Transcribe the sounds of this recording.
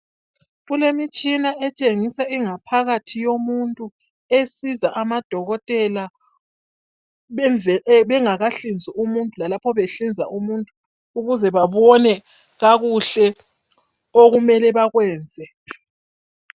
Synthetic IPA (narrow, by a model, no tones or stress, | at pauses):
ɣulemit͡ʃʼinaʔɛt͡ʃʼeŋisaiŋapʰaɣatʰijomuntʼu | esizaʔamad̥ʱɔɣɔtʼɛla | ɛnɛβɛŋaɣaɬind͡zʱiumuntʼulalapʰɔβeɬind͡zʱaʔumuntʼuː | ɣuzɛβaβɔnɛ | ɣaɣuɬɛ | oɣumɛlɛβaɣwɛːnd͡zʱɛ